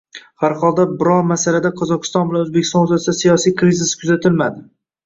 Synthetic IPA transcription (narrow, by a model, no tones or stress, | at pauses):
haɾχɒlˠd̪abɪɾɒɾmasalad̪aqʰɒzɒqʰɨ̥st̪ɒnbɪlanɵzbekʲɪ̥st̪ɒnʊzasɪd̪asijɒsijkʰɾizɪskʰʊzat̪ʰɪlmad̪ɪ